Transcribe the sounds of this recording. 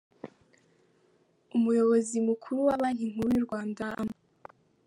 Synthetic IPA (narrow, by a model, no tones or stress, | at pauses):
umujo̞βo̞zimukʰuɾuwaβaːniŋ̥uɾwiɾɡwaːndaa̰mo